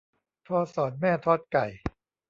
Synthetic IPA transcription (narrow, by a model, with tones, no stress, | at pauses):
t̪ʰɔː˧sɔː˨˩˦n̚mɛː˥˩t̪ʰɔː˦˥˩t̪̚ka˨˩j